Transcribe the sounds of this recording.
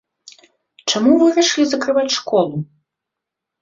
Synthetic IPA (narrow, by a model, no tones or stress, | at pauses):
t͡ʂamuvɨɾaʂlʲizɐkɾɨvat͡sʲʂkɔlˠu